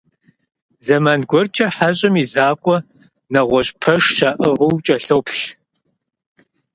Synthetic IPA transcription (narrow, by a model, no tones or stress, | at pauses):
zɐmaːnɡʷɔrt͡ʃʰʼɐħaɕʼɐmizaːkʷʼɔ | nɐʁʷɔɕʼpʰɐʂʃaːʔɨʁɨwt͡ʃʼɐɬɐwpɬ